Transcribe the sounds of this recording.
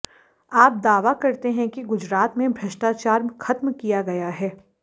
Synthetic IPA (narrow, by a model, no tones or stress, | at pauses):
aːp̚d̪aːʋakɐɾt̪eɦɛ̃kiɡʊd͡ʒɾaːt̪mẽbʱɾɐʃʈaːt͡ʃaːɾxʰɐt̪mkijaɡɐjaɦɛː